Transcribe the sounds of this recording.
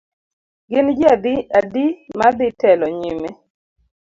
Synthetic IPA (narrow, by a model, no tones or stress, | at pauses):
ɡɪnd͡ʒad̪iadimad̪ɪtɛlɔɲime